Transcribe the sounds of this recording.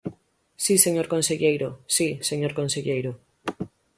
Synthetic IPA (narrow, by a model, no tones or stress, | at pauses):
siseɲoɾkonseʎejɾosiseɲoɾkonseʎejɾo